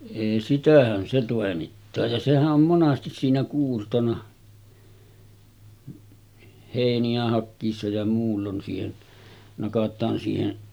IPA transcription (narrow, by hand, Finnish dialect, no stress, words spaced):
eˑi sitæhæn se toˑemitːɑː jɑ sehæʔ ʔom monɑstis siːnæ kuːrtonɑ heˑiniæ hɑkːiːsːɑ jɑ muːlːon siːhen nɑkɑtˑɑːn siːhen